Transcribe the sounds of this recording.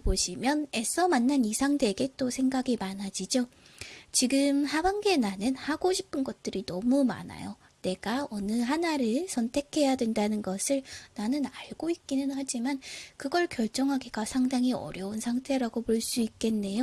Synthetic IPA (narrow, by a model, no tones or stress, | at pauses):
poɕʰimjʌne̞sʰʌmanːanisʰaŋdʰe̞ɡe̞t͈osʰe̞ŋɡaɡimanɦad͡ʑid͡ʑo | t͡ɕiɡɯmhabaŋɡe̞nanɯnhaɡoɕʰipʰɯnɡʌt̚t͈ɯɾinʌmuma̰na̰jo | ne̞ɡaʌnɯɦanaɾɯɭsʰʌntʰe̞kʰe̞jadwe̞ndanɯnɡʌsʰɯɭnanɯnaɭɡoik̚k͈inɯnhad͡ʑimankɯɡʌɭkjʌɭt͡ɕ͈ʌŋɦaɡeɡasʰaŋdaŋiʌ̰ɾjʌunsʰaŋtʰe̞ɾaɡopoɭs͈uik̚k͈e̞nːe̞jo